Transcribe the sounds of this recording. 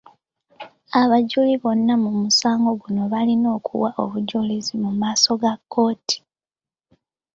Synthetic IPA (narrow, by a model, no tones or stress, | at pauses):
aβaɟuliβo̞nːamumusaːŋɡo̞ɡuno̞βalino̞ːkʰṵwaʔo̞̰βuɟulizimumaːso̞ɡakːo̞ːti̥